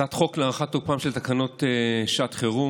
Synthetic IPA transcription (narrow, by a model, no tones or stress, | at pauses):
at̪χo̞kleaʁaχat̪opaːmʃelt̪akano̞t̪eʃat̪χeʁu